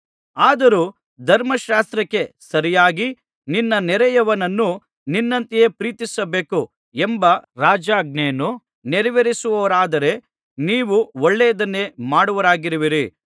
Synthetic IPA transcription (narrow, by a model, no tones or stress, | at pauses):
aːd̪ɐɾuː | d̪ʱɐɾmɐʃaːst̪ɾɐkːe̞sɐɾijaːɡi | ninːɐnɛɾɛjɐʋɐnɐnːu | ninːɐnt̪ije̞pɾiːt̪isɐbe̞ːku | embɐɾaːd͡ʒaːɡ̚neːnu | nɛɾiʋeɾisuʋɐʋɐɾaːd̪ɐɾe̞ | niːʋuoɭːɛːɐd̪ɐnːe̞maːɽuʋɐɾaːɡiɾiʋiɾi